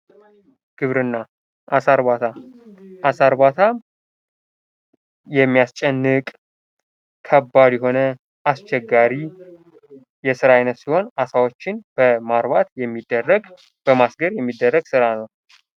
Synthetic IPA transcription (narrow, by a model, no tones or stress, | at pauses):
ɡ̥ɨβɾɨnːa | ʔasaɾβat̪ʰaʔasaɾbat̪ʰa | jɛmːijast͡ʃʼɛnːɨkʼ | kʰəbːad̪jɛɦo̞nə | ʔast͡ʃɛɡːaɾi | jɛsɨɾajnət̪siho̞nasawot͡ʃːɪnb̥əmaɾβat̪jɛmːid̪ːərːəɡ | b̥əmasɡəɾjɛmːid̪ːərːəɡsɨɾanəw